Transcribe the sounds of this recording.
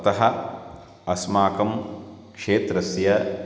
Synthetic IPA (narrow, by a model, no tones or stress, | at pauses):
ɐt̪ɐɦɐ | ɐsmaːkɐm | kʂeːt̪ɾɐsjɐ